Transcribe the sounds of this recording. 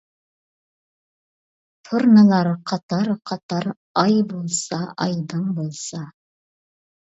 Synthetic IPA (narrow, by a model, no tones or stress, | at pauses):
t̪ʰoɾnəlˠɑɾqʰɑt̪ɑɾqʰɑt̪ɑɾ | ɑjbulˠsɑʔɑjd̪əmbolˠsɑ